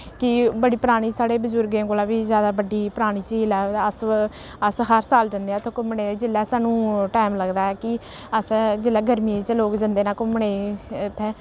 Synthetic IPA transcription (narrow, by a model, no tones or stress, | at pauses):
kɪbəɽiːpɾaːɽ̃iːsaːɽeːbəzʊɾɡẽːkoːlaːʋiːzjaːd̪aːbəɖiːpəɾaːɽ̃iːt͡ʃilaːəs | əsɦəɾsaːld͡ʒənd̪eãt̪ʰõkʊmɳeːd͡ʒɪlːɛːsaːnũːʈaːmləɡd̪aːɛːkɪ | əsd͡ʒɪlːɛːɡəɾmiːt͡ʃəloːkd͡ʒənd̪eːnaːkʊmɳeːt̪ʰɛ̃ː